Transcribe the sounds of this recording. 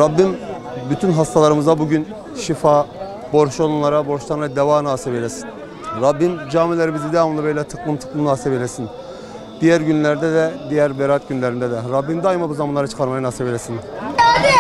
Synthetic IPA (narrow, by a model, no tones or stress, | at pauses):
ɾabːim | byt̪ʰynɦast̪ʰalˠaɾɯmɯzd̪abuɟyn | ʃifa | bo̞ɾʃolˠunlˠaɾabo̞ɾʃlˠaɾɯnad̪evaːnaːsibelʲesin | ɾabːimd͡ʒaːmilʲeɾimizid̪eamɯnˠabe̞jlʲɛt̪ʰɯ̥klˠɯmt̪ʰɯ̥klˠɯmnaːsibelʲesin | d̪̥ijæɾɟynlʲæɾd̪ɛd̪ɛd̪ijæɾbeɾat̪̚ɟynlʲeɾind̪ɛd̪ɛɾabːind̪aːjimabuzamanlˠaɾat͡ʃɯ̥kʰaɾmajanasebelʲesin